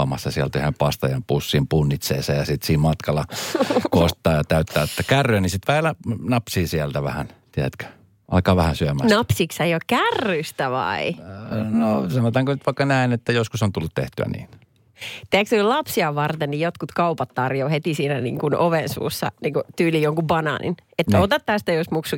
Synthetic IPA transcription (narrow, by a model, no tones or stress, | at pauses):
ɑ̰mɑsːɑsiælt̪yhempɑst̪ɑjɑmpusːiːmpunːit̪seːsɑjɑsit̪siːmmɑt̪kɑlɑkost̪ːˑɑːjɑt̪æyt̪ːæːet̪ːækærːyːnisit̪ʋæhelænɑpsiːsiælt̪æʋæhæ̰nt̪iæt̪kø̥ | ɑ̰lkɑːʋæhænsyømænɑpsikseiokkærːyst̪æʋɑ̰inosɑnot̪ɑːŋkonyt̪ʋɑikːɑnæinet̪ːæjoskusont̪ulːut̪t̪ḛht̪yæ̰nḭːn | t̪eæksyilɑpsiɑʋʋɑrt̪ennijjot̪kut̪kɑupɑt̪tɑrjoːhet̪isiːnænḭːŋkunʔoʋensṵːsːɑ̰niːŋkut̪yːlijjoŋkubɑnɑ̰ːnʔḭnet̪ːæot̪ɑt̪t̪æst̪æjosmuksu